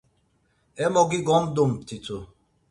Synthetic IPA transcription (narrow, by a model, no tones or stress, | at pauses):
ɛmɔɡiɡɔm̩dom̩tito